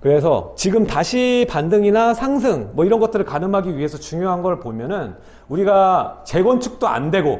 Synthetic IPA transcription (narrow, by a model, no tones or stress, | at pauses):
kɯɾe̞s̬ʰʌ̰t͡ɕiɡɯmtaɕʰipandɯŋinasʰaŋs̬ʰɯŋmʌiɾʌnɡʌt͈ɯɾɯɭkanɯmɦaɡiɥiɦe̞sʰʌt͡ɕuŋjoɦanɡʌɾɭpomjʌnɯn | uɾiɡat͡ɕe̞ɡwʌnt͡ɕʰuk̚t͈oa̰ndwe̞ɡo